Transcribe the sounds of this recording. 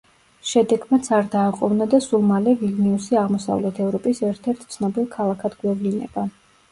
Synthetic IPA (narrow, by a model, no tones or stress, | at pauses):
ʃɛd̪ɛɡmat̪sʰaɾd̪aːqʼɔvnad̪asulˠmalɛvilniusiaʁmɔsa̰vlɛt̪ʰɛvɾɔpʼisɛɾt̪ʰɛɾt̪ʰt̪sʰnɔbilˠkʰalˠakʰad̪ɡwɛvlinɛ̰ba